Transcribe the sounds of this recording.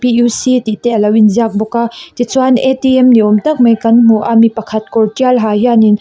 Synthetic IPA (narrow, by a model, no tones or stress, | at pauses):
pijusit̪it̪ɛʔɐlɐwinziak̚bɔkat̪it͡suanetiɛmniɔmtɐk̚mɐjkɐnm̥uʔamipɐkʰɐt̪̚kɔɾtialɦajanin